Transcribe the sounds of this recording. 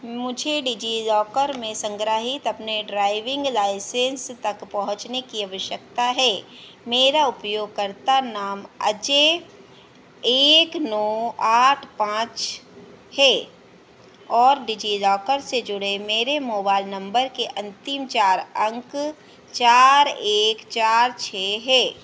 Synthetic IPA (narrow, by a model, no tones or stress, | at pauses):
mʊd͡ʒʱeɖiːd͡ʒilɔːkəɾmẽsə̃ŋɡɾəɦɪt̪ɐpneɖɾaːɪʋɪ̃ŋɡlaːɪsẽːnst̪ɐkpɐɦʊ̃t͡ʃnekiɐʋəʃjəkt̪aɦɛː | meːɾaʊpjoːɡ̚kɐɾt̪anaːmɐ̰d͡ʒe | eːknɔːaːʈʰpãːt͡ʃ | hɛː | ɔːɾɖid͡ʒilɔːkəɾsed͡ʒʊɽemeːɾemoːbaːɪlnɐ̃mbəɾkeʔɐ̃nt̪ɪmt͡ʃaːɾɐ̃ŋk | t͡ʃaːɾeːkt͡ʃaːɾt͡ʃʰeɦɛː